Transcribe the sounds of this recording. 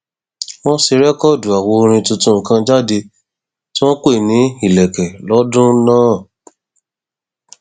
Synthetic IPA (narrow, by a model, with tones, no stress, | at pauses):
w̃ɔ̃˦si˧ɾɛ˦kɔ˦˨du˨a˨wo˧ɾ̃ĩ˧tũ˧tũ˧˦˨kã˧d͡ʒa˦˨de˧ | tĩ˦w̃ɔ̃˦k͡pe˦˨nĩ˨˦i˦˨lɛ˨kɛ˨lɔ˨˦dũ˦nãː˦˨